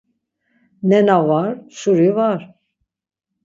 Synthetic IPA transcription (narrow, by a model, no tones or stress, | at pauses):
nɛnavaɾsuɾivaɾ̥